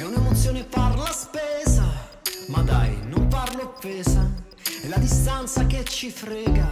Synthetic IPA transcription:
ɛunemot̪sːjoːneparlaspɛza | mad̪a̰jnomparloafːɛːza | ɛlːad̪ist̪ant̪saket͡ʃːifɾɛːɡa

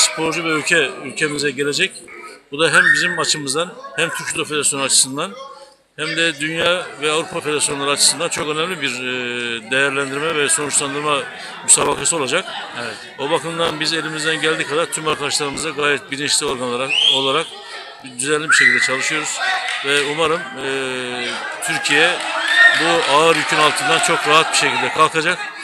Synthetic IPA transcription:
spʰo̞ɾd͡ʒuvɛylʲcʰɛylʲcʰe̞mizɛɟe̞lʲe̞d͡ʒɛcbud̪aɦæmbizimat͡ʃʰɯmɯzd̪anhæmt̪ʰyɾcd̪ofeeasjo̞nuat͡ʃʰɯ̥sɯnd̪an | hæmd̪ɛd̪ynjaːvɛavɾupʰafe̞d̪eɾasjo̞nlˠaɾɯat͡ʃʰɯ̥sɯnd̪ant͡ʃʰo̞kø̞nɛmlʲibiɾd̪ejæɾlʲænd̪iɾmɛvɛso̞nut͡ʃlˠand̪ɯɾma | mysaːbakʰasɯo̞lˠad͡ʒakɛɛt̪obakɯmd̪anbize̞lʲimizd̪ænɟælʲd̪ikʰad̪aɾt̪ʰymaɾkʰad̪aʃlˠaɾɯmɯzd̪aɡaːjɛt̪̚biɾint͡ʃlʲio̞ɾɡanlˠaɾao̞lˠaɾak̚ | d̪yzænlʲibiʃecʰilʲd̪ɛt͡ʃʰalˠɯʃɯjo̞ɾuz̥vɛumaɾɯmɯː | t̪ʰyɾcʰijɛbuaɯɾjycʰynalˠt̪ʰɯnd̪ant͡ʃʰo̞kɾaɦat̪̚biʃe̞cʰilʲd̪ɛkʰalˠkʰad͡ʒak

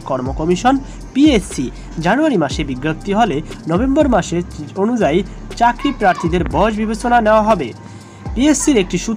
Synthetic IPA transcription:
kɔɾmokɔmiʃon | piesi | d͡ʑanuaɾimaʃebiɡːop̚t̪iɦolenɔbembɔɾmaʃeonud͡ʑaj | t͡ɕakɾipɾaɾt̪ʰid̪eɾbɔd͡ʑbibet͡ɕonaneoaɦɔbe | piesiɾek̚ʈiʃu

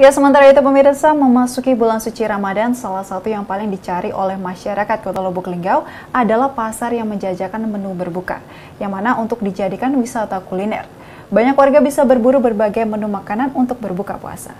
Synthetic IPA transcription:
ijasəmənt̪aɾait̪upəmiɾsaməmasukibulansut͡ʃiɾamadansalahsat̪ujaŋpalɪŋdit͡ʃaɾiʔolɛhmaʃaɾakat̪̚kot̪alobɔkliŋɡaw | adalahpasarjaŋməɲd͡ʒad͡ʒakanmənubərbuka̰ | jaŋmanaunt̪ʊk̚did͡ʒadikanwisat̪akulinɛ̰r | baɲakwarɡabisabərbuɾubərbaɡajmənumakananunt̪ʊk̚bərbuka̰pṵa̰sa̰

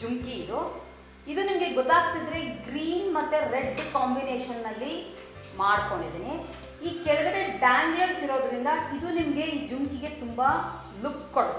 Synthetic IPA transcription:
d͡ʒuŋkiːd̪u | id̪unimɐɡe̞ɡɔt̪aːɡ̚t̪id̪ɾe̞ɡɾiːnmɐt̪ːuɾeɖːkaːmbineːʃɐnːɐlːi | maːɽkoɳɖid̪ene | iːkɛɭɐɡɐɾeɖaːɲd͡ʒɐɾsiɾo̞ːd̪ɾind̪ɐid̪unimɐɡe̞iːd͡ʒuŋkiɡe̞t̪umbɐ | lukkːoɽ

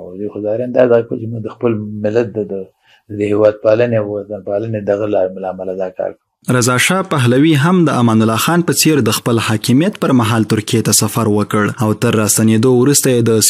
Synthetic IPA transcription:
wd̪uxʊzɑɾeand̪ɑd̪aɣakət͡ʃemuɡ̚d̪əxpəlmɪlat̪̚d̪əd̪ə | əd̪əhewɑd̪̚palanewanpaləned̪aɣalamlaːmalad̪ɑkɑ̰ɾkə | ɾazɑʃɑpaɦlawiɦamd̪əʔamɑnʊlɑxɑnpət͡seɾd̪əxpəlhɑkɪmijat̪pəɾmaɦɑlt̪ʊɾkijet̪asafaɾwəkəɽawt̪əɾːɑst̪aned̪owɾust̪ajed̪əs

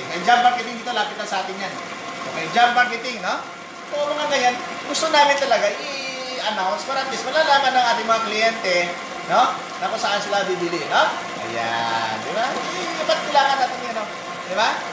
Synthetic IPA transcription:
ɐjd͡ʒamːaɹkɪt̪ɪiŋd̪iːt̪olaːpɪt̪̚nɐnsɐʔaːt̪ɪɲjan | omɐjd͡ʒamːaɹkɛt̪ɪŋno̞ | koʔmɐŋaɡɐjan | ɡʊst̪onaːmɪnt̪ɐlɐɡaʔi | ʔɐnawnspɐɾant̪ɛsmɐlaːlaːmanːɐŋʔaːt̪ɪŋmɐŋaklɪjɛnt̪ɛ | no̞ | t̪aposɐʔaɪnsɪlabibɪlɪno | ʔɐ̰ja̰nd̪ɪbaibat̪̚kɪlaːŋɐnːaːt̪ɪŋɪɐno̞ | d̪ɪba

